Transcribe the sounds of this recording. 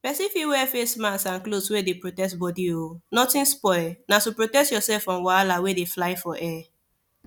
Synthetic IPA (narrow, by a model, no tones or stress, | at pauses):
pɛsifiwɛfesmãsãnkloswedepɹotɛsbɔdionɔtĩnspɔɪlnatupɹotɛstjɔsɛlfɹɔ̃mwalawedeflaɪfɔʔɛ